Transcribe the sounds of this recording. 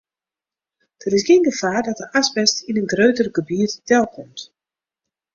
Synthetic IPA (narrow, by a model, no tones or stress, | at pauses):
d̥ərɪs̬ɡenɡəfaːrdɔt̚dəʔasbɛstinənɡrøːtərəɡəbiətdɛlˠkʰɔmt